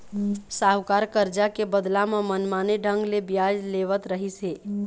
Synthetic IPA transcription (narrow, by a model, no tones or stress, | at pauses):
saʋkaɾkəɾd͡ʒakebəd̪lamemənmaneɖʱəŋɡlebjad͡ʒleʋət̪ɾəɦise